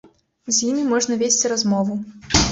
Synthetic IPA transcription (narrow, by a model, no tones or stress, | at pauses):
zʲjimʲimɔʐnɐvʲesʲt͡sʲiɾazmɔvu